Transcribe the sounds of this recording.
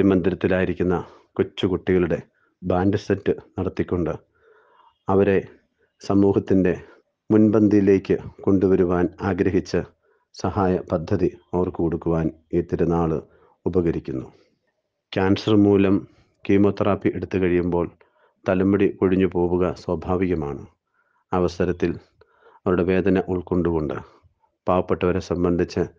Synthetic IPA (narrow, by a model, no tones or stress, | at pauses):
imɐnd̪iɾɐt̪ːilaːjiɾikʲːunːɐ | kut͡ɕːukuʈːiɣɐɭuɽe̞ | baːnɖɨsɐtːɨnɐɽɐt̪ːikʲːoɳɖɨ | ɐʋɐɾe̞ | sɐmuːhɐt̪ːinde̞ | munbɐnd̪ʱijle̞ːkʲːɨko̞ɳɖuʋɐɾuʋaːnaːɡɾɐɦit͡ɕːɐ | sɐhaːjɐpɐd̪ʱːɐðiɐʋɐrkɨkoɽukːuʋaːn | eːt̪ːiɾɐnaːɭɨ | ubɐɣɐɾikʲːunːu | kʲaːnsɐrmuːlɐm | kiːmo̞ːt̪ːraːpːiʔeɽut̪ːukɐɻijumbo̞ːɭ | t̪ɐlɐmːuɽikoɻiɲːupo̞ːɣuɣɐswɐbʱaːʋiɣɐmaːɳɨ | ɐʋɐsɐɾɐt̪ːil | ɐʋɐɾuɽe̞ʋe̞ːd̪ɐnɐʔuɭko̞ɳɖuɣo̞ɳɖɨ̰ | paːʋɐpːeʈːɐʋɐɾesɐmbɐnd̪ʱit͡ɕːɨ